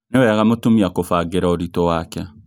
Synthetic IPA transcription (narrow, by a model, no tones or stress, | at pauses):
newɛaɣamotumiakofaːɡeɾaoɾitowakɛ